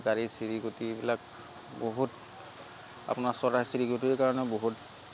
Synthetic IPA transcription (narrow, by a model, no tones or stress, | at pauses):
kaɹisiɹiɡotiebilak̚ | boɦut | a̰pʊnaɹsɔɹasiɹiɡotikaɹɔnɛboɦut